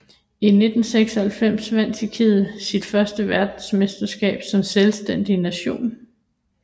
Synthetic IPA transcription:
ine̝d̥n̩seɡ̥sɒhælfem̰sʋæn̰t͡sʰikʰið̩ˠsid̥fɶɐsd̥əʋæɐd̥n̩smesd̥ɐsɡ̥ɛ̰ːb̥sɒ̽mselsd̥en̰d̥inæɕo̝̰ːn

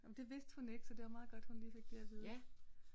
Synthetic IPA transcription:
ɒmd̥e̝ʋe̝sd̥hune̝ɡ̥sɒ̽d̥e̝ʋɑ̈mɑ̈ːðˠɡ̥ɒ̽d̥hunliːfe̝ɡ̥̚b̥iɐʋiðˠ

